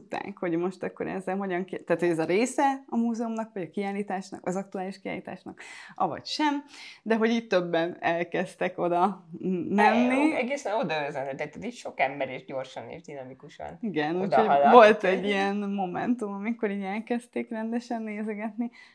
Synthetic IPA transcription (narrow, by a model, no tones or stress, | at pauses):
ut̪ːa̰ːkho̞ɟmo̞ʃt̪ɒkːo̞̰ɾɛ̰zːɛlɦo̞ɟɒŋkit̪aːt̪hoɟɛzɒɾeːsɛɒmuːzɛumnɒkʋɒɟɒkiaːlːiːt̪aːʃnɒ̰kʔɒzɒk̚t̪uaːliʃkia̰ːliːt̪a̰ːʃnɒkʔɒvɒ̰cʃɛmd̪ɛɦo̞ɟiːc̚t̪ø̞bːɛnɛlkɛst̪ɛko̞d̪ɒmɛnːiɛɡeːsɛnod̪ɒøzɛnɛt̪ɛk̚t̪ːɛt̪iːtʃo̞kɛmbɛɾeːʒɟo̞rʃɒnḛːʒd̪inɒmikuʃɒ̰niɡɛnuːcho̞ɟvo̞lt̪ɛɟːijɛnmo̞mɛ̰nt̪umɒmiko̞ɾiːɟɛlkɛst̪eːkrɛnd̪ɛʃɛnːeːzɛɡɛt̪ni